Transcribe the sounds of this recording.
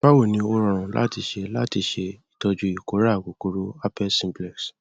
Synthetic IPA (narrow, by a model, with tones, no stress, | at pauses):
a˦wo˦˨nĩ˧˦o˧ɾɔ̃˨ɾ̃ɔ̃˨la̰˦ti˧ʃe˧la˦ti˧ʃe˧i̥˨tɔ˧d͡ʒu˧˦i˨ko˨˦ɾa˦˨ɡo˨˦ko˧ɾo˦a˦pɛ˦sĩ˧mblɛ˨ks